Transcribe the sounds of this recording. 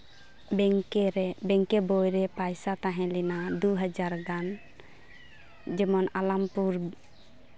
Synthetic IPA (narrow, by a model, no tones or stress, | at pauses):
bɛŋkɾbɛŋkɛbojɾɛpajsat̪aɦɛ̃linad̪uɦad͡ʒaɾɡan | d͡ʒɛmɔnalampuɾ